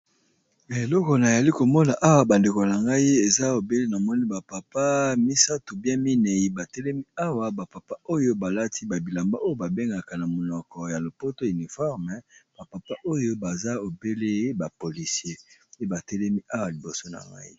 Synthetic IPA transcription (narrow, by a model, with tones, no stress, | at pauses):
e˨lɔ˦kɔ˨na˨ja˨li˦ko˨mɔ˦na˨ʔa˦wa˨ba˨nde˨ko˨na˨ŋɡa˦i˦e˨za˦o˨be˦le˦na˨mɔ˦ni˦ba˨pa˨pa˦mi˦sa˦tu˨bjɛ̃˦mi˦ne˨ji˨ba˨tɛ˦lɛ˦mi˦a˦wa˨ba˨pa˨pa˦o˦jo˦ba˨la˦tʰi˦ba˨bi˨la˨mba˦ʔo˦jo˦ba˨be˦ŋɡa˨ka˨na˨mo˨nɔ˨kɔ˨ja˨lo˨po˦to˦i˨ni˨fɔ˦ʁmɛ˨b̥a˨pa˨pa˦ʔo˦jo˦ba˨za˦o˨be˦le˦ba˨po˨li˨sje˦e˦ba˨tɛ˦lɛ˦mi˦ʔa˦wa˨li˨bo˨so˦na̰˨ŋɡa̰˦i˦